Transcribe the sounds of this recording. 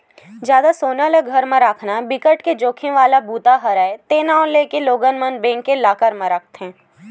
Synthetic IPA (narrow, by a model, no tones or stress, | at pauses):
d͡ʒjaːd̪asoːnaləɡʱəɾmẽɾakʰnabɪkəʈked͡ʒoːkʰĩʋaːlabuːt̪aɦɐɾaːet̪eːnaːʊleːkeloːɡənmənbẽːŋkːelaːkəɾmẽɾək̚ʰt̪ɦɛ̃ː